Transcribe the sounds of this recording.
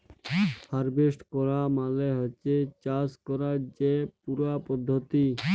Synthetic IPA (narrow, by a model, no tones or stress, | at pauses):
haɾbesʈkɔɾamaleɦɔt͡ʃet͡ʃaskɔɾad͡ʒepuɾapɔd̪ʱːɔt̪i